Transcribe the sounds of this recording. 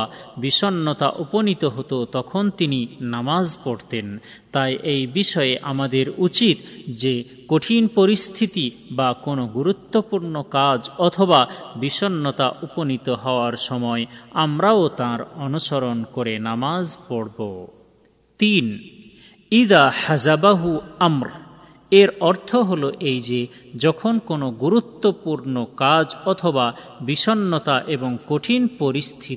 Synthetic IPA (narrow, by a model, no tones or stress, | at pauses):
biʃɔnːɔt̪a̰ʔuponit̪oɦot̪ot̪ɔkʰont̪ininamazpɔɽt̪en | t̪ajʔejbiʃɔjeʔamad̪eɾut͡ɕit̪d͡ʑe | koʈʰinpɔɾist̪ʰit̪ibakonoɡuɾut̪ːopuɾnokad͡ʑɔt̪ʰɔbabiʃɔnːɔt̪aʔuponit̪oɦɔoaɾʃɔmɔeamɾaot̪ãɾɔnuʃɔɾonkoɾenamazpɔɽbo̰ | t̪in | iðahazabaɦuamɾ | eɾɔɾt̪ʰoɦoloʔejd͡ʑe | d͡ʒɔkʰonkonoɡuɾut̪ːopuɾnokad͡ʑɔt̪ʰobabiʃɔnːɔt̪aʔeboŋkoʈʰinpoɾist̪ʰit̪i